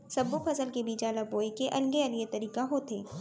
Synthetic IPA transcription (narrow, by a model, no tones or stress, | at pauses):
sɐbːupʰɐzəlkebʱiːd͡ʒaːlaboːekeʔɐlɡeɐlɡet̪ɐɾiːkaɦot̪ʰeː